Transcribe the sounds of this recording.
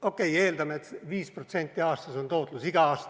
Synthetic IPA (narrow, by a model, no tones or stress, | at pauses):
o̞kːˑe̞je̞ːld̪ɑmeet̪viːspro̞t̪se̞nʲt̪ʲːˑiɑːst̪ɑso̞nt̪o̞ːt̪ˑlusiɡ̥ɑɑːst̪